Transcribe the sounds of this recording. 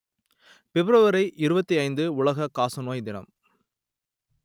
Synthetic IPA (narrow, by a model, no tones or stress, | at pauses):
pɛbɪɾɐʋɐɾɐɪʔɪɾɯbɐt̪ːiɐɪnd̪ɯʊɭɐɣɐkaːsɐnoːjd̪ɪnɐ̰m